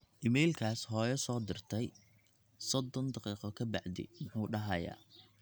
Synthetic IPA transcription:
ʔɪmɛjlkʰaːshɔːjɐsɔːd̪ɪrt̪ʰɛj | sɔd̪ɔnd̪ɑqiːqɔkʰɐbɑʕd̪ɪ̰mʊħuːɖɐɦɐja̰ː

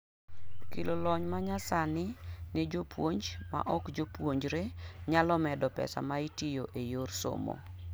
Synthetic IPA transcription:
kilolɔɲmaɲasanɪned͡ʒopwoɲd͡ʒma̰ʔɔkd͡ʒopwoɲd͡ʒɾeɲalɔmɛdɔpɛ̰sa̰maitijoʔejorso̰mo̰

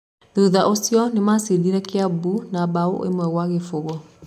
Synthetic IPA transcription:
ðuðaʔosiɔnemasiðiɾɛkeabunabao̰ʔḛmwɛɣwaɣefoɣɔ

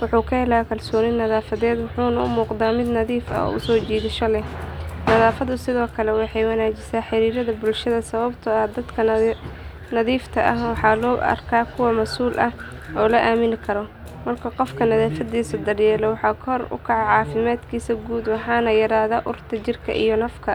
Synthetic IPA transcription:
wʊħuːkʰɐhɛlaːjkʰɐlsɔːnɪnːɐðaːfɐðɛːd̪wɑħuːnɐʊ̰muːqd̪aːmɪd̪nɐðiːfɐ̰ɔ̰ːʊ̰sɔːt͡ʃiːðɪʃɔlɛnɐðaːfɐðʊsɪðɔːkʰɐlɛwɑħɑjwɑnaːt͡ʃɪsaːħɪɾiːɾɐðɐbʊlʃɐðɐsɐβɐbt̪ʰɐɐd̪ɐd̪kʰɐ | nɐðiːft̪ʰɐʔɐhwɑħɑːlɔːɐ̰rkʰaːkʰʊwɐmɐsuːlʔɐh | ɔːlɐʔaːmɪnkʰɐɾɔ | mɐrkʰɐqɔfkʰɐnɐðaːfɐðiːsɐd̪ɐrjɛːlɛwɑħɑːkʰɔrʊ̰kʰɐʕɑʕɑːfɪmaːd̪kʰiːsɐɡuːd̪wɑħɑːnɐjɐɾaːðaːʔʊrt̪ʰɐt͡ʃɪrkʰɐ̰ʔḭjɔnɐfkʰɐ

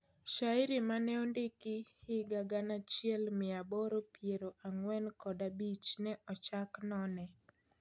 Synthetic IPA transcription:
ʃaɪɾɪmanɛondekɪhɪɡaɡanat͡ʃɪɛlmɪabɔɾopjeɾoʔaŋwɛnkɔdabit͡ʃnɛʔɔt͡ʃaknɔnɛ

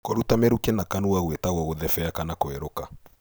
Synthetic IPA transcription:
koɾutameɾukenakanuaɣwetaɣwɔɣoðɛfɛakanakoɛɾoka

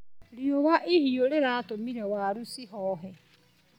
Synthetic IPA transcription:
ɾiowaʔehioɾeɾaːtomiɾɛwaːɾusiɦɔːɦɛ

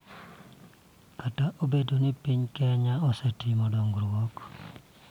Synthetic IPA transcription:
kataʔobedonipiɲkɛɲaɔsetimɔdɔŋɡɾwɔk

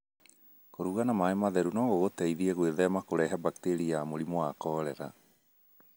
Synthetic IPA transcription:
koɾuɣanamaemaðɛɾunɔɣoɣotɛiðieɣweðɛmakoɾɛɦabakteɾiamoɾimoakɔːɾɛɾa̰

